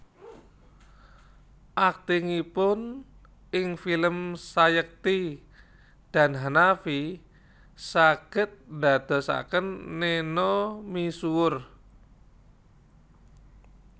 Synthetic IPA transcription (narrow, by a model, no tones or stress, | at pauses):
ʔak̚t̪iŋipʊn | ɪŋfiləmsajək̚t̪i | d̥a̤nɦanafi | saɡ̥ə̤t̪̚nda̤d̪̥ɔ̤sa̰kənːenɔmisuʊr